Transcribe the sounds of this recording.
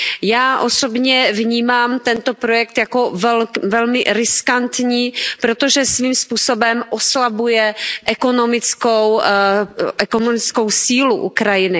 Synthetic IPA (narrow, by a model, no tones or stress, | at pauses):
jaːʔosobɲɛvɲiːmaːmt̪ɛnt̪o̞pɾo̞jɛk̚t̪jako̞vɛvɛlmɪ̰ɾɪskant̪ɲiːpɾot̪oʒɛsviːmspuːsobɛmʔoslabujɛʔɛko̞no̞mɪt͡skow | ʔɛkonomɪt͡sko̞wsiːluʔṵkɾajɪnɪ